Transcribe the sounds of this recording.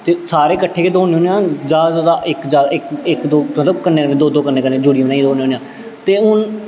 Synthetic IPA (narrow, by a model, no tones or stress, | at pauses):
t̪eːsaːɾeːkəʈʰːeːkeːd̪oːneːõːnejãːd͡ʒaːzod̪aːʔɪkd͡ʒaːɪkɪkd̪oːmət̪ləbkənːeːɾd̪oːd̪oːkənːeːkənːẽːd͡ʒuːɽiːõːnãːiːd̪oːneːoːnjãː | t̪eːɦʊn